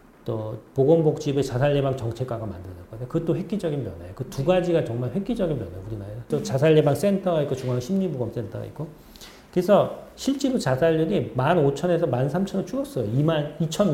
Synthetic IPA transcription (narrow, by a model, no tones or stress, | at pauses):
t͈opoɡʌmbok̚t͡ɕ͈ibet͡ɕasʰaʎːe̞baŋt͡ɕʌŋt͡ɕʰe̞k͈waɡamandɯnʌk͈ʌdkɯt͈oɸwe̞k͈id͡ʑʌɡinpjʌnejokɯtuɡad͡ʑiɡat͡ɕʌŋmaɭɸwe̞k͈id͡ʑʌɡinpjʌnɦejouɾinaɾesʰʌt͈ot͡ɕasʰaʎːebaŋs͈entʰʌɡaik͈ot͡ɕuŋaŋɕʰimɲiboɡʌms͈e̞ntʰʌ̰ḭk͈o | kɯesʰʌɕʰiɭt͡ɕ͈eɾot͡ɕasʰaʎːunimanot͡ɕʰʌne̞sʰʌmansʰamt͡ɕʰʌnɯt͡ɕʰuɾʌs͈ʌjoimanit͡ɕʰʌn